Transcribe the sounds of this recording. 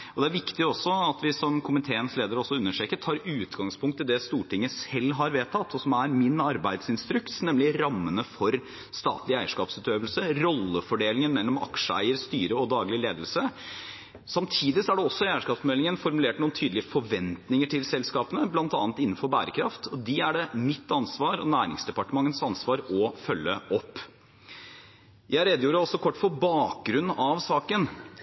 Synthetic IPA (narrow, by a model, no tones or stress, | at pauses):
ɔd̪ɛæɾʋɪkt̪ɪɔsːɔɑt̪ʋɪsɔmkʰʊmɪt̪ʰeːənsleːd̪əɾɔsːɔʉnːəʂeːkəʈʰɑːɾʉːt̪ɡɑŋspʰʊŋkt̪ʰːəd̪ɛst̪uːʈɪŋːəsɛlːɦɑɾʋeːt̪ʰɑt̪ːɔsɔmæɾmɪnɑɾbæɪd̪sɪnst̪ɾʉkt̪snɛmlɪɾɑmːənəfɔɾ | st̪ɑ̰ːt̪lɪæɪəʂkɑːpsʉːt̪øːʋəlsəɾɔlːəfɔɖeːlɪŋənmɛlːɔmɑ̰kʂəæ̰ɪəɾst̪yːɾəɔd̪ɑːɡlɪleːd̪əlsə | sɑmt̪ʰiːd̪ɪsɔæɖɛɔsːɔɪæɪəʂkɑːpsmɛlːɪŋənfɔɾmʉleːʈnuːənt̪ʰyːd̪lɪəfɔʋɛnt̪nɪŋəʈʰɪlsɛlskɑːpənəblɑnt̪ɑ̰ːnt̪ɪnːn̩fɔɾbæ̰ːɾəkʰɾɑft̪ʰɔd̪ɪæɖɛmɪt̪ːɑnsʋɑːɾɔ̰næːɾɪ̰ŋsd̪ɛpɑʈəmɑŋːənsɑnsʋɑːɾɔfœlːəʔɔpː | jæɪɾɛd̪juːɾəɔsɔkʰɔʈːfɔbɑːk̚ɡɾʉnːɑʋsɑːkən